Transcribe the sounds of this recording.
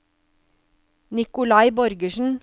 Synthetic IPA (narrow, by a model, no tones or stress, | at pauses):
nɪkʊlɑɪbɔɾɡəʃn̩